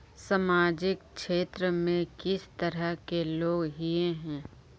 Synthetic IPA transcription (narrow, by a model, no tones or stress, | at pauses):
samaːd͡ʒɪkʃeːt̪ɾəmẽkɪst̪əɾəɦkeloːɡɦieɦɛ̃ː